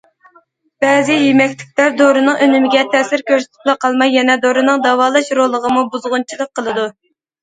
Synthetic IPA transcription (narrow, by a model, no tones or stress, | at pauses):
b̥ɛzɪjemɛkʲlɪk̚ʲlæɾd̪oɾɨnɨŋʔønymɪɡʲɛt̪ʰɛsɪɾkʲøɾsɪ̥t̪ʰɪ̥plˠɨqʰɑlˠmɑjːɛnɛd̪oɾɨnɨŋd̪ɑwɑːlˠɑʃɾolˠːəʁəmubuzʁʊnt͡ʃʰilˠək̚qʰːəlˠɨd̪u